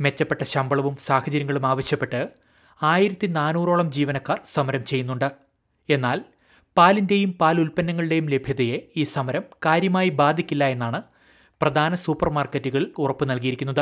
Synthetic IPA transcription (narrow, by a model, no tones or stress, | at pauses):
me̞t͡ɕːɐpːe̞ʈːɐɕɐmbɐɭɐʋumsaːhɐt͡ɕɐɾjɐŋːɐɭumaːʋɐɕjɐpːe̞ʈːɨ | aːjiɾɐt̪ːinaːnuːro̞ːɭɐmd͡ʑiːʋɐnɐkːaːrsɐmɐɾɐmt͡ɕe̞jːunːuɳɖɨ | e̞nːaːl | paːlinde̞jumpaːlulpɐnːɐŋːɐɭɨɽe̞jumle̞bʱjɐðɐje̞iːsɐmɐɾɐmkaːɾjɐmaːjibaːd̪ʱikʲːilːɐe̞nːaːɳɨ | prɐd̪ʱaːnɐsuːpːɐrmaːrketːuɣɐɭilurɐpːɨnɐlkijiɾikʲːunːɐðɨ